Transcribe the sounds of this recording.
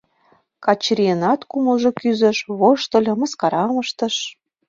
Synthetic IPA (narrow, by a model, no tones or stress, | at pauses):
kɑt͡ɕrienɑt̪kuməlʒokyzə̆ʃβoʃt̪ə̆lʲɤ̆mə̆skɑɾɑməʃt̪ə̆ʃ